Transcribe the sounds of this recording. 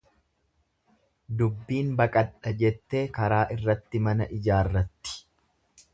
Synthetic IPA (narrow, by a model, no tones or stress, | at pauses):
d̪ʊbːiːnbɐkʼɐᶑɐd͡ʒɛt̪ːe̞ːkɐɾaːʔɪrːɐt̪ːɪmɐnɐʔɪd͡ʒaːrːɐt̪ːɪ̥